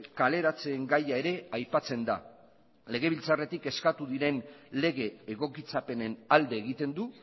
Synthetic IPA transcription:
kale̞ɾat͡se̞ːŋɡajae̞ɾe̞ajpat͡se̞nd̪a | le̞ɣ̞e̞βilt͡sare̞t̪ike̞skat̪uðiɾe̞nle̞ɣ̞e̞ːɣo̞kit͡sape̞ne̞nald̪e̞ːɣ̞it̪e̞nd̪u

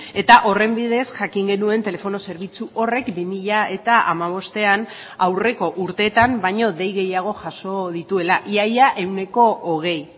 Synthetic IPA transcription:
e̞t̪aʔo̞re̞mbiðe̞sʝakiŋɡe̞nue̞nt̪e̞le̞fo̞no̞se̞ɾβ̞it͡suʔo̞re̞kbimiʎae̞t̪aa̰maβ̞o̞st̪e̞an | awre̞ko̞ʔuɾt̪e̞ːt̪ambajɲo̞ðe̞jɣe̞jaɣ̞o̞ʝaso̞ð̞it̪ue̞laʔiajaʔe̞wne̞ko̞ʔːɣ̞e̞j

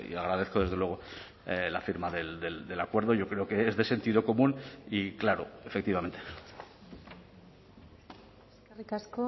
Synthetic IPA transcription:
ḭaɣ̞ɾaðe̞θko̞ðe̞zð̞e̞lwe̞ɣ̞o̞ | la̰fiɾmaðe̞ld̪eld̪e̞lakwe̞ɾðo̞ʝo̞kɾe̞oke̞ezðe̞se̞nt̪iðo̞ko̞mũniklaɾo̰efekt̪iβame̞nt̪e | karikasko

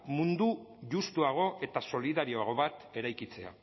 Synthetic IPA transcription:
mund̪uʝust̪uaɣ̞o̞ʔe̞t̪aso̞liðaɾioaɣo̞βat̪e̞ɾajkit͡se̞a̰

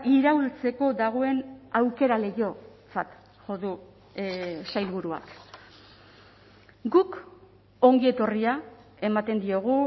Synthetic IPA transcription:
iɾault͡se̞ko̞d̪aɣ̞o̞e̞nawke̞ɾale̞jo̞ | t͡sat̪ | ʝo̞ðu | sajlβuɾua̰k | ɡuk | o̞ŋɡie̞t̪o̞ria | e̞mat̪e̞nd̪io̞ɣ̞u

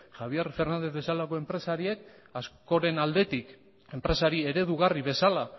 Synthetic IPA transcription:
xaβ̞ie̞ɾfe̞ɾnand̪e̞zβe̞salako̞e̞mpɾe̞saɾie̞k̚ | asko̞ɾe̞nald̪e̞t̪ik | e̞mpɾe̞saɾie̞ɾe̞ðuɣ̞ariβe̞sala

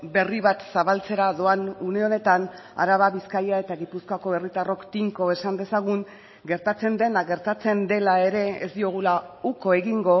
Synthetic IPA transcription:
be̞riβat̪saβalt͡se̞ɾaðo̞anune̞o̞ne̞t̪an | a̰ɾaβaβiskajae̞t̪aɣipuskoako̞βe̞rit̪aro̞kt̪iŋko̞e̞sand̪e̞saɣ̞uŋ | ɡe̞ɾt̪at͡se̞nd̪e̞naɣe̞ɾt̪at͡se̞nd̪e̞lae̞ɾe̞ezd̪io̞ɣ̞ulauko̞e̞ɣiŋɡo̞

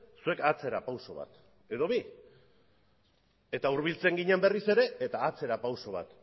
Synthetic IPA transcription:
sue̞kat͡se̞ɾapawso̞βa̰t̪ | e̞ðo̞βi | e̞t̪auɾβilt͡se̞ŋɡiɲembe̞rise̞ɾe̞et̪aːt͡se̞ɾapawso̞β̞a̰t̪

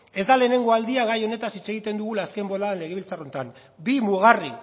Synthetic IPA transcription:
e̞zd̪ale̞ːne̞ŋɡo̞ald̪iaɣajo̞ne̞t̪asit͡se̞ɣit̪e̞nd̪uɣulaske̞mbo̞laðenle̞ɣe̞βilt͡saro̞nt̪an | bimuɣ̞ari

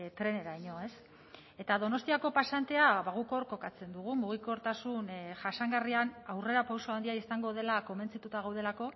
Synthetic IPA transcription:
t̪ɾe̞ne̞ɾaiɲo̞e̞s | e̞t̪aðo̞no̞st̪iako̞pasant̪e̞aβaɣuko̞ɾko̞kat͡se̞nd̪uɣ̞umuɣ̞iko̞ɾt̪asunʝasaŋɡarianawre̞ɾapawsoaond̪iaisaŋɡo̞ð̞e̞lako̞me̞nt͡sit̪ut̪aɣawðe̞lako̞

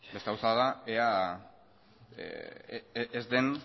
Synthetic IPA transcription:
best̪eawsaðaea | ezd̪e̞n

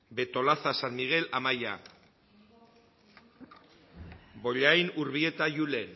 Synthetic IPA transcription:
be̞t̪o̞laθasanmiɣ̞e̞lamaja | bo̞ʎajnuɾβie̞t̪ajule̞n

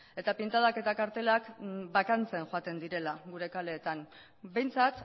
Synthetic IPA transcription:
e̞t̪apint̪aðake̞t̪akaɾt̪e̞lakbakant͡se̞nʝoat̪e̞nd̪iɾe̞laɡuɾe̞kale̞ːt̪aŋ | be̞jnt͡sat̪

